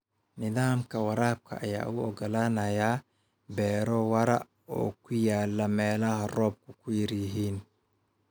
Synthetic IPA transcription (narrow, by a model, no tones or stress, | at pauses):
nɪðaːmkʰɐwɐɾaːb̚kʰɐ̰ʔɐ̰ja̰ːʔʊɔɡɔlaːnɐjaː | bɛːɾɔwɐɾɐ̰ | ɔ̰ːkʰʊjaːlːɐmɛːlɐhɐrɔːb̚kʰʊkʰʊjɪɾjɪɦiːn